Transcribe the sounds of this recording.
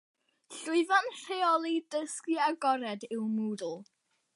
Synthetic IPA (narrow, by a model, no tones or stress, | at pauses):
ɬʊɨvanr̥eɔlˠidəskiaɡɔɾɛdɪwmuːdl̩ˠ